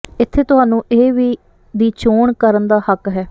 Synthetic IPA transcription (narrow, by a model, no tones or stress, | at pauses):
ɪt̪ʰːeːt̪ʊɦaːnũːʔeːʋiː | d̪iːt͡ʃoːɳkəɾənd̪aːhəkɦɛː